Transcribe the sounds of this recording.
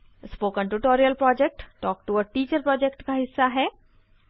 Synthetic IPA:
spoːkə̃ɳʈuʈoːɾiəlpɾɔːd͡ʒɛk̚ʈʈɔːk̚ʈuəʈiːt͡ʃəɾpɾɔːd͡ʒɛkʈkaɦɪsːaɦɛː

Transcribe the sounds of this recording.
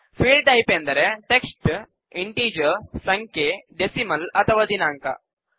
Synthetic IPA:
fiːlɖʈajpend̪əɾeʈeksʈ | iɳʈiːd͡ʑəɾsɐŋkeɖesiməlɐt̪ʰɐʋad̪inaŋka̰

